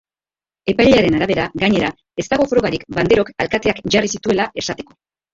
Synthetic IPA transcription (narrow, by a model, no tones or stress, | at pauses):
e̞pajʎeaɾe̞naɾaβ̞e̞ɾaɣaɲe̞ɾa | e̞st̪aɣo̞fɾo̞ɣaɾikband̪e̞ɾo̞kalkat̪e̞akʝarisit̪ue̞laʔe̞sat̪e̞̥ko̞